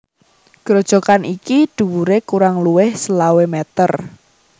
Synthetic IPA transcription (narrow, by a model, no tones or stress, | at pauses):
ɡ̥ɾɔd̥ʒ̥ɔ̤kanʔikid̪̥ṳwuɾekuɾaŋluwɪhsəlawemɛt̪ər